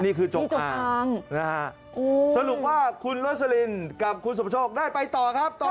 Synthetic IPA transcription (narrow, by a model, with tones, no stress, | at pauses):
niː˥˩kʰɯː˧t͡ɕo˨˩˧t͡ɕaː˧˩a˧ŋna˦˥a˦˥ʔ | ʔo˧sa˧du˨˩k̚waː˥˩kʰu˧nɾo˦˥t̪̚sa˧li˧nka˨˩p̚kʰu˧ns̬pʰa˦t͡ɕʰoː˥˩k̚daː˥˩jpa˧jt̪ɔː˨˩kʰɾa˦˥p̚t̪ɔ˨